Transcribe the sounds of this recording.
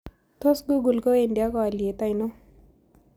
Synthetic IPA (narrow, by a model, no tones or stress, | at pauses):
t̪ʰosɡuɡulkoeɳɖijakɔaliet̪ajno